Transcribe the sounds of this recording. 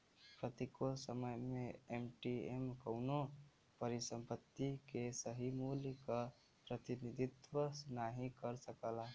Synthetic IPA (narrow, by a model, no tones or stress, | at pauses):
pɾət̪ikolsəməjmẽemʈiemkəʊno | pəɾɪsə̃mpət̪ːikesəɦimuljəka | pɾət̪ɪnɪd̪ɪt̪wəsnaɦikəɾsəkəla